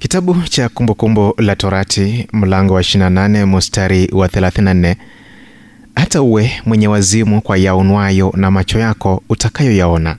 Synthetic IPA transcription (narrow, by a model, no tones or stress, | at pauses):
kitaɓut͡ʃakumbukumbɔlatɔɾatʰim̩laŋɡɔwaɛʃiinananɛmustaɾiwaθɛlaθinnan̩nɛ | hatauwɛmwɛɲɛwazimukwajaɔnwajɔnamat͡ʃɔjakɔutakajɔjaɔna̰